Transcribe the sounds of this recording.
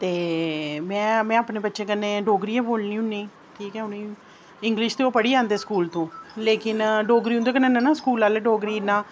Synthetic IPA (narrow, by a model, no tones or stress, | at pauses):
t̪eːmɛ̃ːmɛ̃ːaːpneːbət̪ːʃẽːkənːeːɖoːɡɾiːãːboːlnĩːɦʊnːiː | ʈʰiːkɛːʊniː | ɪŋɡlɪʃt̪eːoːpəɽiːãːnd̪eːskuːlt̪õːleːkɪnɖoːɡɾiːʊ̃nd̪oːkəneːnãːnaːskuːlaːleɖoːɡɾiːnãː